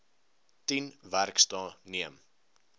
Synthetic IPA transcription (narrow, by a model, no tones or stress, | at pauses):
tinværkstɑːniəm